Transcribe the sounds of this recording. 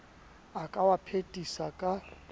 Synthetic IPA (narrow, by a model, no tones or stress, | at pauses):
akʼawapʰetʼisakʼa